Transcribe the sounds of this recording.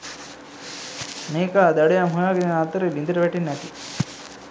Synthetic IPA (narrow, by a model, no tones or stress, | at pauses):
neːkad̪aɽejamɦujaːɡeninat̪ːəɾelind̪iɾɐʋɛʈinːɛt̪i